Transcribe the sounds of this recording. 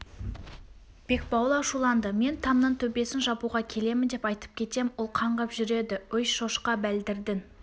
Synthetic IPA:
b̥e̞k̚bɑwlˠɑʃulˠɑnd̪əme̞nt̪ʰɑmnəɴt̪ʰɵbe̞sɪnʒɑbuʁɑkʲʰe̞le̞mɪnd̪e̞pɑjt̪ə̥p̚kʲʰe̞t̪e̞mwolˠqʰɑɴʁɑpʒʏɾe̞d̪ɪʏjʃoʃqɑbæld̪ɪɾd̪ɪŋ

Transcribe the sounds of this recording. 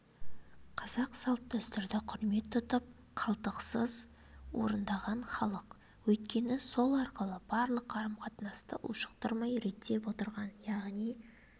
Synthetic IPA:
qʰɑz̥ɑqsɑlˠt̪ːɵst̪ʏɾd̪ɪqʰʊɾme̞t̪ʰːʊt̪əp̚ | qʰɑlˠt̪əqsəzwo̞̰ɾənd̪ɑʁɑnχɑlˠəq | wɵjt̪̚kʲe̞nɪso̞lˠɑɾqəlˠəb̥ɑɾlˠəqːɑɾəmqʰɑt̪nɑst̪ə̰ʔṵʃə̥qt̪əɾmɑjɾe̞t̪ːe̞pwo̞t̪əɾʁɑnjɑʁnij

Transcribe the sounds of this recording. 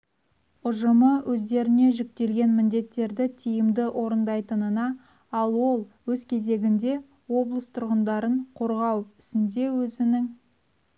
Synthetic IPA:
ʊʒəməwʔɵzd̪e̞ɾɪne̞ʒɪk̚t̪e̞lɡʲe̞nmɪnd̪e̞t̪ːe̞ɾd̪ɪt̪ʰijɪmd̪ɪʔo̞ɾənd̪ɑjt̪ənənɑ | ɑlˠwo̞lˠwɵzkʲʰe̞ze̞ɡʲɪnd̪e̞ | wo̞blˠəst̪ʰʊɾʁənd̪ɑɾəɴqʰo̞ɾʁɑwpɪ̥sɪnd̪e̞wɵzɪnɪŋ

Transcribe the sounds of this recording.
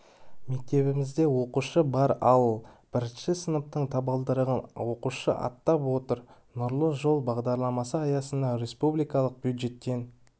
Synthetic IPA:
me̞k̚t̪e̞bɪmɪzd̪e̞wo̞quʃəbɑɾɑwəlˠb̥ɪɾɪnʃɪsənəp̚t̪əɴt̪ʰɑbəlˠd̪əɾəʁənwo̞quʃə̰ʔɑ̰t̪ːɑpwo̞t̪əɾ | nʊɾlˠəʒo̞lˠbɑʁd̪ɑɾlˠɑmɑsəɑjɑsənd̪ɑɾe̞spublijkɑlˠəq̚b̥jud̪ʒe̞t̪ːe̞n

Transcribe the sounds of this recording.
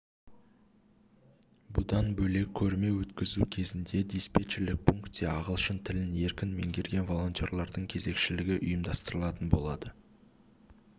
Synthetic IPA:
bʊd̪ɑnbɵle̞kʲʰːɵɾme̞wɵt̪kʲɪzukʲʰe̞zɪnd̪e̞d̪ʲijspet͡ʃɾlɪk̚pʰuŋkt̪eɑʁəlˠʃənt̪ʰɪlɪne̞ɾkʲɪnme̞̰ŋɡʲe̞ɾɡʲe̞nvo̞lˠo̞nt̪ʲjo̞ɾlˠɑɾd̪əɴkʲʰe̞ze̞kʃɪlɪɡʲɪʔʊjəmd̪ɑst̪əɾəlˠɑt̪ənbo̞lˠɑd̪ə

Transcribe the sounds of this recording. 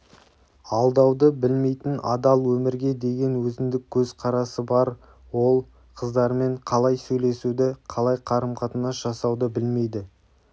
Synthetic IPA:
ɑlˠd̪ɑwd̪əbɪlme̞jt̪ɪnɑ̰d̪ɑlˠwɵmɪɾɡʲe̞d̪e̞ɡʲe̞nwɵzɪmd̪ɪk̚ʲʰːɵzqʰɑɾɑsəbɑɾ | wo̞lˠ | qʰəzd̪ɑɾme̞ɴqʰɑlˠɑjsɵjle̞sud̪ɪqʰɑlˠɑjqʰɑɾəmqʰɑt̪ənɑsʒ̥ɑsɑwd̪əbɪlme̞jd̪ɪ

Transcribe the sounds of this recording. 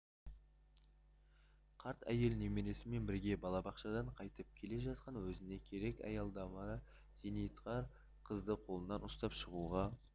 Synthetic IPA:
qʰɑɾt̪ʰæ̰je̞lne̞meɾe̞sɪme̞nbɪɾɡʲe̞bɑlˠɑbɑqʃɑd̪ɑɴqʰɑjt̪əp̚kʲʰe̞le̞ʒɑt̪̚qɑnwɵzɪne̞kʲʰe̞ɾe̞kɑ̰jɑlˠd̪ɑmɑ | z̥enejt̪qɑɾ | qʰəzd̪əqʰo̞lˠənːɑnʊst̪ɑpʃəʁuʁɑ

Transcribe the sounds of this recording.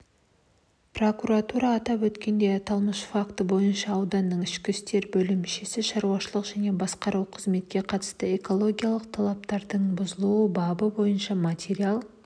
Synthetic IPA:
pro̞kuɾat̪uɾɑːt̪ɑpwɵt̪kʲe̞nd̪e̞t̪ʰɑlˠməʃfakt̪əbo̞jənʃɑːwd̪ɑnːəɴɪʃkʲɪst̪e̞ɾbɵlɪmɪʃesɪʃɑɾuwɑʃəlˠəqʒæne̞bɑsqɑɾuwqʰəzme̞t̪̚kʲe̞qʰɑt̪ə̥st̪əe̞ko̞lˠo̞ɡʲijalˠəq̚t̪ʰɑlˠɑp̚t̪ɑɾd̪əɴbʊzəlˠuwəbɑbəbo̞jənʃɑmat̪ʲeɾialˠ

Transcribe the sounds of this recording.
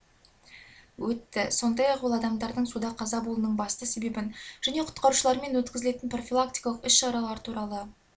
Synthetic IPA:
wɵt̪ːɪso̞nd̪ɑjɑqbolˠɑd̪ɑmd̪ɑɾd̪əɴsud̪ɑqʰɑzɑbolˠənəɴbɑst̪əse̞be̞bɪnʒ̥æne̞qʰʊ̥t̪qɑɾuʃəlˠɑɾme̞nwɵt̪kʲɪzɪle̞t̪ɪnpro̞fʲilˠak̚t̪ijkalˠəqʏsʃɑɾɑlˠɑɾət̪ʰuɾɑlˠə

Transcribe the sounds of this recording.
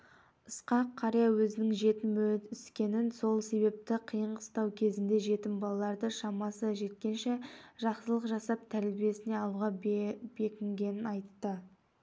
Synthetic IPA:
əsqɑqʰːɑɾijɑwɵzɪnɪŋʒe̞t̪ɪmɵlɪt̪ɪskʲe̞nɪnso̞lˠse̞βe̞p̚t̪ɪqʰijəɴqəst̪ɑwkʲʰe̞zɪnd̪e̞ʒe̞t̪ɪmbɑlˠɑlˠɑɾd̪əʃɑmɑsəʒe̞t̪kʲe̞nʃe̞ʒɑqsəlˠəqʒɑsɑp̚t̪ʰæɾlbije̞sɪne̞ɑlˠuʁɑb̥e̞kʲɪŋɡʲe̞nɪnɑjt̪ːə

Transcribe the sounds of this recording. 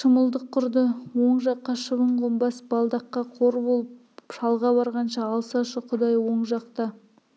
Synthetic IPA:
ʃəməlˠd̪əqʰːʊɾd̪əwo̞ɴʒɑqːɑʃəβəɴqʰombɑsb̥ɑlˠd̪ɑqːɑqʰo̞ɾbolˠəp̚ | ʃɑlˠʁɑbɑɾʁɑnʃɑːlˠsɑʃəqʰʊd̪ɑjwo̞ɴʒɑqt̪ɑ

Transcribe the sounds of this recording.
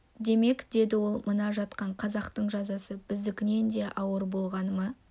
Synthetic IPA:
d̪e̞me̞kd̪e̞d̪ɪwo̞lˠmənɑʒɑt̪qɑɴqʰɑzɑqt̪əɴʒɑzɑsəbɪzd̪ɪkʲɪne̞nd̪e̞ʔɑwəɾbo̞lˠʁɑnəmɑ

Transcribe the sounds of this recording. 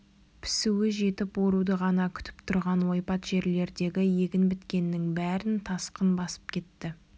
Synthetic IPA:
pʰɪ̥suwɪʒe̞t̪ɪpwo̞ɾud̪əʁɑnɑkʲʰʏ̥t̪ɪ̥pt̪ʰʊɾʁɑnwo̞jpɑt̪ʒ̥e̞ɾle̞ɾd̪e̞ɡʲɪje̞ɡʲɪnbɪt̪kʲe̞nːɪŋbæɾɪnt̪ʰɑsqənbɑsə̥p̚kʲʰe̞t̪ːɪ

